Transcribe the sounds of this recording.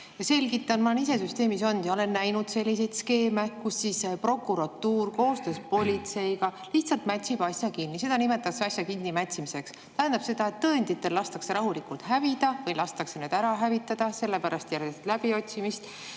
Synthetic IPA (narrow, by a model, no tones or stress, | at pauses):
jɑse̞lʲɡit̪ːˑɑnmɑnis̬e̞syst̪e̞ːmiso̞nd̪̥jɑole̞nːæjnud̪̥se̞lʲːise̞jd̪ske̞ːme̞kusːiːspro̞kːˑuɾɑt̪ːuːrko̞ːst̪øspo̞lʲit̪se̞jɡɑliht̪sɑlt̪mæt̪ʲsib̥ɑsjɑkinːise̞d̪̥ɑnime̞t̪ːˑɑsɑsʲjɑkinːimæt̪ʲsimise̞ks | t̪æɦænd̪̥ɑb̥se̞d̪ɑe̞t̪ːɤːnʲd̪it̪ːˑe̞llɑst̪ɑkseɾɑɦulikult̪ɦævid̪̥ɑvɤjlɑst̪ɑksened̪æɾɑɦævit̪ːˑɑd̪̥ɑse̞lːe̞pæɾɑst̪jæɾɡest̪læb̥io̞t̪ʲsimist̪